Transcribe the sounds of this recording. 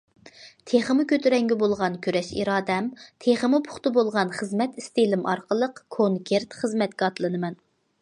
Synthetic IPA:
t̪ʰeχəmʊkʲʰøt̪ʰyɾɛŋɡʲɛbolˠʁɑnkʲʰøɾɛʃḭɾɑːd̪ɛmt̪ʰeχəmʊpʰʊ̥χt̪ɨbolˠʁɑnχəzmɛt̪ist̪elɪmʔɑɾqəlˠəqkʰoŋkʲʰeɾt̪χəzmɛt̪̚kʲɑɑt̪lˠɨnɨmɛn

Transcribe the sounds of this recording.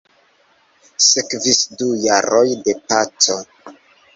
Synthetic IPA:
sekvisdujaɾojde̞pat͡so̞

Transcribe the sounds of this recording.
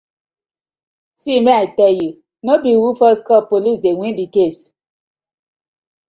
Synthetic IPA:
simeatɛju | nobiwufɔskɔpolisdewʷĩndikes

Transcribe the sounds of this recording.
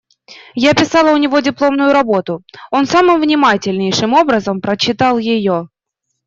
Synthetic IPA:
japʲɪsɑlˠəʊnʲɪvo̞dʲɪplˠo̞mnʊjʊɾɐbo̞t̪ʊo̞n̪samɨmvnʲɪmatʲɪlʲnʲɪjʂɨmo̞bɾəzəmpɾət͡ɕːɪt̪ɑlˠjɪjo̞

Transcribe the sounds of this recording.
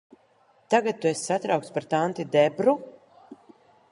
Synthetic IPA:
t̪aɡat̪̚ːuesʲsat̪ɾawkt̪spaɾt̪ant̪id̪ɛbɾu

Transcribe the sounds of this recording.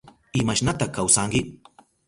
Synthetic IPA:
ɪmaʃnat̪akawsaŋkɪ

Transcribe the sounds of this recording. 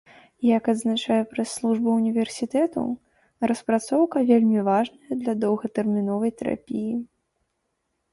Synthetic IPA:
jɐkɐd̪znat͡ʂajɛpɾɐsːlˠuʐbɐunʲivʲɛrsʲit̪ɛt̪ṵ | ɾɐspɾat̪sɔwkɐvʲelʲmʲivaʐnɐjɐd̪lʲɐd̪ɔwɣɐt̪ɛrmʲinɔvɐjt̪ɛɾa̰pʲiji

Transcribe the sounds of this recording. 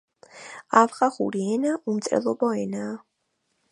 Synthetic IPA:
avχaχṵɾiɛnaʔumt̪sʼɛ̰lˠɔbɔɛnaː

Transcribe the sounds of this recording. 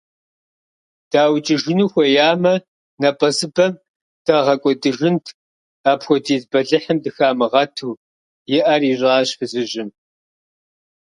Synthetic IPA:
d̥aːwt͡ʃʼɪʒɨnuːxʷɔjaːmɐ | nɐpʼɐzɨbɐm | d̥ɐʁɐkʷʼɔdɨʒɨntʰ | aːpxʷɔtʰiːzbɐɮɨħɨmdɨxaːmɨʁɐtʰuː | jɪʔɐrirʼaːɕfɨzɨʑɪm

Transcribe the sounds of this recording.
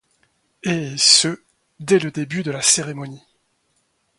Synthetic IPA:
esə | d̪ɛləd̪ebyd̪əlaseʁemɔni

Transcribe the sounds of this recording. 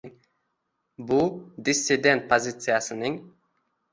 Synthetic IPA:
bʊd̪ɪsːɪd̪e̞nt̪̚pʰozʲɪt̪sɨjasɪnɪŋ

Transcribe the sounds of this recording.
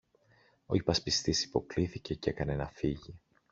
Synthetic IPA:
o̞̰ipɐspist̪isi̥po̞kliθice̞ce̞kɐnenɐfiʝi

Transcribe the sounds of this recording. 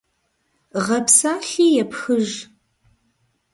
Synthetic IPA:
ʁɐpsaːɬiːjɛpxɨʒ

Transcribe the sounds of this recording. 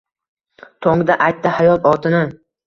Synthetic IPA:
t̪ʰoŋd̪aʔajt̪ːɪhajɒt̪ɒt̪ʰɪnɪ

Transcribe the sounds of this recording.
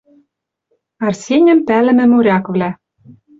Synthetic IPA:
ɑrsʲenʲɘ̆mpælɘ̆mɘ̆muɾʲɑkvlæ

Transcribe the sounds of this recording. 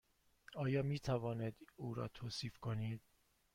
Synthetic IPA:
ɒːjɒːmiːt̪ʰævɒːned̪uːɾɒ̰ːt̪ʰoːsiːfkʰo̞niːd̪̥

